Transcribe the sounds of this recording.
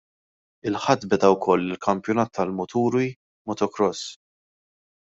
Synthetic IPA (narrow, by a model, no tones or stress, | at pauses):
ɪlħɐt̪ːbɛd̪ɐwkʰɔlːɪlkʰɐmpjɔnɐːt̪ʰːɐlmʊt̪uːɾi | mɔt̪ɔkɾɔs